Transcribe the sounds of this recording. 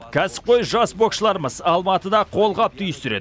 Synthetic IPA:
kʲʰæsɪ̥p̚qʰo̞jʒɑsbo̞kʃəlˠɑɾəməzɑlˠmɑt̪əd̪ɑqʰo̞lˠʁɑp̚t̪ʰʏjəst̪ʏɾe̞̰d̪ɪ

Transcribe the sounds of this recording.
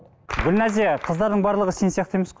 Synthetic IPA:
ɡʲʏlnæzeqʰəzd̪ɑɾd̪əɴbɑɾlˠəʁəsensijɑqt̪əjməsqo

